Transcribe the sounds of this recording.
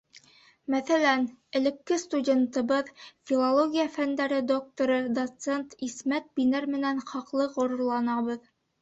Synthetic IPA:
mæθælænɘ̆lɘ̆kːɘst̪udʲe̞nt̪ɤ̆βɤðfʲilˠolˠoɡʲijafænd̪æɾɘd̪ok̚t̪oɾɤd̪ot̪sent̪ismæt̪̚binɘɾmɘ̆nænχɑqlˠɤqŏɾŏɾlˠɑnɑβɤð

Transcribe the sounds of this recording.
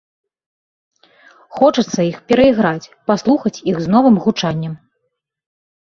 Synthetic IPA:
xɔt͡ʂɐt̪sːɐixpʲɛɾɐiɣɾat͡sʲpaslˠuxɐt͡sʲiɣznɔvɨmɣut͡ʂanʲːɐm

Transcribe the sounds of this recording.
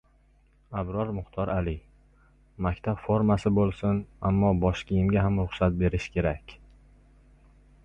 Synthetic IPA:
abɾɒɾmʊχt̪ʰɒɾalɪ | makʲt̪ʰabfoɾmasɪbolˠsɪna̰mːɒbɒʃkʲijɪmɡʲaɦamɾʊχsat̪̚be̞ɾɪʃkʲʰe̞ɾakʲ

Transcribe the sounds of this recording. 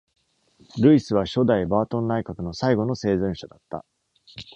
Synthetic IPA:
ɾɯ̟isɨβ̞aɕo̞d̪aibaːt̪õ̞nːaikakɯ̟no̞saiɡo̞no̞se̞ːzɯ̃ɰ̃ɕad̪at̪ːa̰

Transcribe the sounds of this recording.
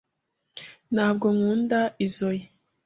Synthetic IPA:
nhaːb̚ɡo̞ŋuːndaizoje

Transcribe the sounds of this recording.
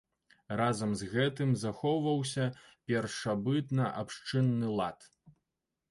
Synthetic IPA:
razɐmzɣɛt̪ɨmzaxɔvɐws̬ʲɐpʲɛrʂabɨt̪nɐʔapʂt͡ʂɨnːɨlˠat̪

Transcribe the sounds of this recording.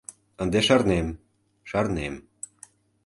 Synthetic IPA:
ənd̪eʃɑrnem | ʃɑrnem

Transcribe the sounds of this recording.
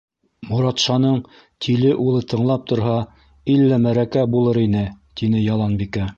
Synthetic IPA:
muɾɑt̪ʃɑnɤɴ | t̪ʰilɘʔulˠɤt̪ʰɤ̆ɴlˠɑp̚t̪ŏɾɦɑ | ilːæmæɾækæbulˠɤɾinɘt̪inɘjɑlˠɑnbikæ

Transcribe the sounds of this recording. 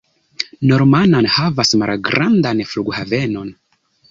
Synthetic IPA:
no̞ɾmananhavasmalɡɾʔandanfluɡhave̞no̞n

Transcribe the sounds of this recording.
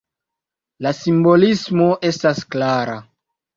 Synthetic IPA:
lasimbo̞lismo̞ʔe̞stasklaɾa̰

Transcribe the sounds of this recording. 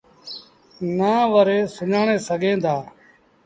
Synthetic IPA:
naːʋəɾeːsʊɲaːɳeːsəɡʱẽːd̪aː

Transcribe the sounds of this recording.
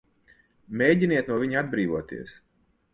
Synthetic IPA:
mʲeːɟiniɛt̪̚nuɔviɲad̪bɾiːvuɔt̪ḭɛs

